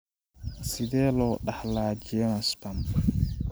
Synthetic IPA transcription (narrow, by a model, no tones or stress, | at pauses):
sidɛlɔɗahlaːd͡ʒijɛmaspamb